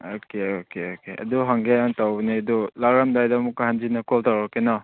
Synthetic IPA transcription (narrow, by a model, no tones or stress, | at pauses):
okeokeokeʔɐ̰duɦaŋɡeantawbniɐdulaɾamdajdamukahand͡ʒinɐkɔltawɾakena